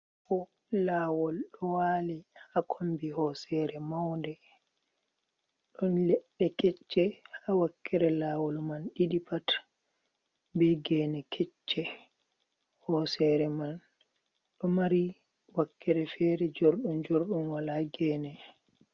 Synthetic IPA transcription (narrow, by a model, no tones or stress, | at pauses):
kɔ | laːwɔlɗɔwaːliakʰombihɔsɛɾɛmawndɛ | ɗɔnlɛɗːɛkɛt͡ʃːɛhawakːɛɾɛlaːwɔlmanɗiɗipat | bɛɡɛːnɛkʰɛt͡ʃːɛ | hɔsɛɾɛman | ɗɔmaɾi | wakːɛɾɛfɛːɾɛd͡ʒoɾɗund͡ʒoɾɗunwalaɡɛːnɛ